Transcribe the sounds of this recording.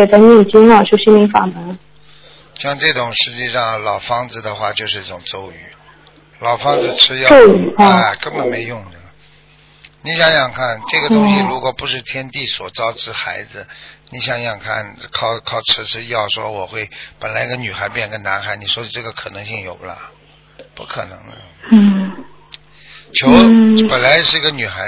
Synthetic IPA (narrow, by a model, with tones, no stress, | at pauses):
ɛ˨˩t͡sa˥˧ɪnɛ˥˩˨t͡ɕi˥na˥˩˨t͡ɕjo˥˩ɕi˥nmi˧˥fa̰˨˩mə˧˥ŋ | ɕjɑ˥˧ŋʈ͡ʂɤ˥˩ʈ͡ʂʊ˨˩ŋʂɻ̩˥˧t͡ɕi˥˧ʂɑ˥˩ŋlɑ˨˩ʊfɑ˥ŋd͡zɹ̩˧d̪ə˩xwa˥˩t͡ɕjo˥˧ʂɻ̩˧i˥˩ʈ͡ʂʊ˨˩ŋt͡so˥˩ʊy˧˩˦ | lɑ˨˩ʊfɑ˥ŋd͡zɹ̩˧ʈ͡ʂʰɻ̩˥jɑ˥˧˥a˥˩kə˥nbə˨nme˧˥ɪjʊ˥˧ŋdə˨˩nə˩ | ni˧˥ɕjɑ˨˧˩ŋɕjɑ˨˩ŋkʰa˥˩nʈ͡ʂɤ˥˩ɡə˩ʊ˥ŋɕi˥˧lu˧˥kwɔ˨˩pu˧˥ʂɻ̩˥˩t̪ʰjɛ˥nt̪i˥˩swɔ˨˩t͡sɑ˥ʊʈ͡ʂɻ̩˥˩xa˧˥ɪd͡zɹ̩˧ni˧˥ɕjɑ˨˩ŋjɑ˥˩ŋkʰa̰˥˩nkʰɑ˥˩ʊkʰɑ˥˩ʊʈ͡ʂ̩ʰ˥ʈ͡ʂʰɻ̩˥jɑ˥˩ʊʂwɔ̰˥wɔ˨˩xwe˥˩ɪpə˨˩nla˧˥ɪi˥ə˧ny˨˩xa˧˥ɪpjɛ˥˩˧kə˥˩na˧˥nxa˨˧˥ɪni˨˩ʂwɔ˥i˨˩ʈ͡ʂɤ˥˩ɡə˩kʰɤ˨˩nɤ˧˥ŋɕi˥˩ŋjo˨˩ʊbə˦lə̰˧˩ | pṵ˧˥˩kʰɤ̰˨˩nɤ̰˧˥ŋd̪ə̰˧˥˩ | t͡ɕʰjo˧˥ʊpə˨˩nla˧˥ɪʂɻ̩˥˩i˧˥ɡə˧ny˨˩xa˧˥